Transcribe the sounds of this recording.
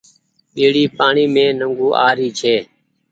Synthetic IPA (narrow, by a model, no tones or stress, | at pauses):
ɓeːɽiːpaːɳiːmẽːnəŋɡuːʔaːɾiːt͡ʃʰeː